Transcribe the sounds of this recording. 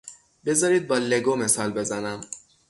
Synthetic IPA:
be̞zɒːɾiːd̪̚bɒːleɡome̞sɒːlbe̞zænæm

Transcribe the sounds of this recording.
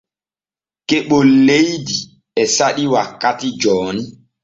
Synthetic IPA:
keɓolejdi | ɛsaɗiwakːatid͡ʒɔːni

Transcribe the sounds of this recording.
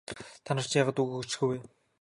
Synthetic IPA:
t̪ʰanə̆r̥t͡ɕjaːʁaːt̪uɣɵt͡ɕɡujweː

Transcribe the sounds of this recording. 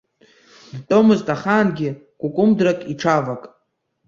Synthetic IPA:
tʼomɨztʼaχanɡʲɪ | ɡ̥ʷukʷʼʊmdrakʼiʈ͡ʂʰavakʼ

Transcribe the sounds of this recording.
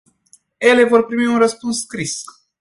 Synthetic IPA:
e̞le̞vo̞rpɾimiunrəspunsːkɾis

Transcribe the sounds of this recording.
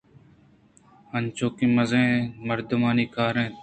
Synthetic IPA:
ənt͡ʃoːkĩːməzẽːməɾd̪ʊmaːniːkaːɾẽː

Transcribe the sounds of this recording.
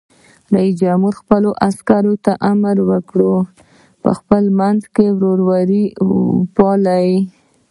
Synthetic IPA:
ɾaisd͡ʒamuɾxpəloʔaskaɾot̪aʔamaɾwəkɽo | pə̰xpəlmanzkewɾoɾwaɾipɑlaj

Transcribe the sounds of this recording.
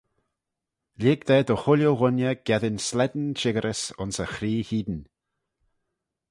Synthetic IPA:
lʲɪːɡd̪ɛːd̪ɔxʊljowʊnjəɡ̥ɛðɪnslɛd̪n̩ʃɪɡəɾʔəsʊnsəxɾiːhiːd̪n̩

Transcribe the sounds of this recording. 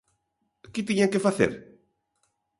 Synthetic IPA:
kɪt̪iɲaŋkefaθḛɾ

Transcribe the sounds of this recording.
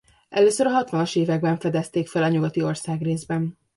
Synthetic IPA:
ʔɛ̰løːsøɾɒɦɒt̪ʋɒnoʃeːvɛɡ̚bɛɱfɛd̪ɛst̪eːkfɛlɒɲuɡɒt̪io̞rsaːɡreːzbɛn

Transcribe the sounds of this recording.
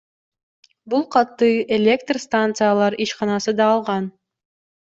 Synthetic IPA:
bulˠqɑt̪ːɯelʲekt̪rst̪ant̪sɨjalˠɑɾiʃqɑnɑsɯd̪ɑːlˠʁɑn

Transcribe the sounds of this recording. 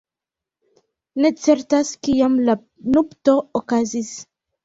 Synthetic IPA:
ne̞t͡se̞ɾtaskiamla | nupto̞okazis

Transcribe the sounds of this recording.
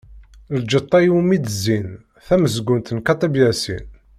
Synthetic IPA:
ld͡ʒət̪ˤːɑjumid̪əzːin | θæməzɡunt̪ənkɑt̪ˤibjæsḭn

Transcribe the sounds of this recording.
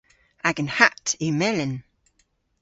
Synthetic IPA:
aɡənhatʰimɛlɪn

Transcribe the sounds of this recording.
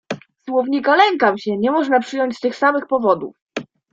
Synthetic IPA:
swɔvɲikalɛŋkamɕɛɲɛmɔʐnapʂɘjɔɲt͡ɕst̪ɘxsamɘxpɔvɔd̪ṵf

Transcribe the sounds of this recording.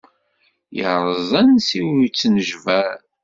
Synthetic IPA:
jəɾˤəzˤænsiwit͡sːnəʒvæɾ

